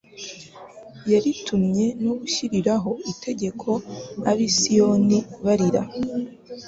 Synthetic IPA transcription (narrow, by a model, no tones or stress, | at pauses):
jaɾitʰumɲe̞nuβuʃiɾiɾaɦo̞itʰe̞ɟe̞kʰo̞aβisijo̞niβaɾiɾa